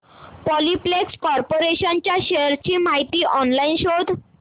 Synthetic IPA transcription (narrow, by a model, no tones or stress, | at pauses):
pɔliplekskɔɾpoɾeɕant͡ɕjaɕeəɾt͡ɕiːm̤aɦit̪iːʔɔnlainɕod̪ʱ